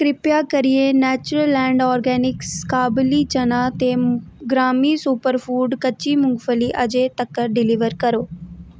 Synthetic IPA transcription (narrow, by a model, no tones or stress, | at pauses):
kɾɪpjakəɾienɛːt͡ʃʊɾəlːɛ̃ːɳɖɔːɾɡɛːnɪkskaːblit͡ʃɐnat̪eːɡɾaːmisupəɾfʰuːɖkət͡ʃimʊ̃ŋɡfəliʔɐd͡ʒet̪ɐkːəɾɖɪliʋəɾkɐɾoː